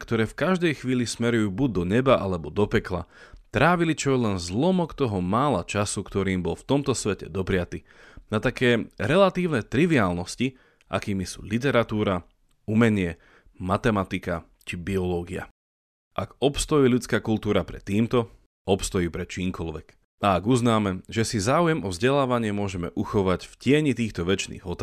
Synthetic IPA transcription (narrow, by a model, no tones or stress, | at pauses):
kt̪ɔɾɛːfkaʒd̪ɛjxʋiːlismɛɾujuːbuɟ̚d̪ɔɲɛbaʔalɛbɔd̪ɔpɛklat̪ɾaːʋilit͡ʃɔjɛlɛnzlɔmɔkt̪ɔɦɔmaːlat͡ʃasukt̪ɔɾiːmbɔlft̪ɔmt̪ɔsʋɛcɛ̰d̪ɔpɾɪat̪iː | nat̪akɛːɾɛlat̪iːʊnɛt̪ɾiʋiaːlnɔsci | ʔa̰kiːmisṵːlit̪̬ɛɾat̪uːɾa | umɛɲɪɛ | mat̪ɛmat̪ika | t͡ʃibiɔlɔːɡia̰ | ʔaɡɔpst̪ɔjiːlut͡skaːkult̪uːɾapɾɛt̪iːmt̪ɔ | ɔpst̪ɔjiːpɾɛt͡ʃiːmkɔlʋɛk | aaɡuznaːmɛʒɛsizaːujɛmʔɔvzɟɛlaːʋaɲɪɛmʊɔʒɛmɛ̰ʔuxɔʋacfcɪɛɲit̪iːxt̪ɔʋɛt͡ʃnḭːɣɔt̪ː